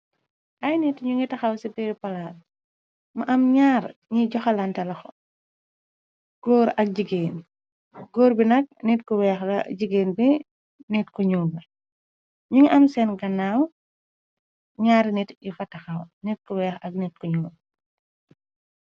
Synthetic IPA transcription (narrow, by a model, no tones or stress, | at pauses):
ʔɐjnitɲuŋɡitɐxɐwsibɛɾpɐlat | mɐʔɐmɲaːɾɲiɟɔxɐlantɐlɐxɔ̰ | ɡ̥ɔːɾɐk̚ɟiɡeːn | ɡɔːɾbinɐk̚nitkɔwɛːxɐɟiɡeːnbi | nitkɔɲuːlbɐ | ɲuŋiʔɐmsɛnɡɐnaw | ɲaːɾnitifɐtɐxɐwnit̚kɔwɛːxɐk̚nit̚kɔɲuːm